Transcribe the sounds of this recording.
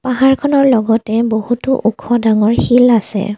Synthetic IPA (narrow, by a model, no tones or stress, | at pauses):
paɦaɹkʰɔnɔɹlɔɡɔtɛbohutʊʔukʰɔdaŋɔɹxilasɛ̰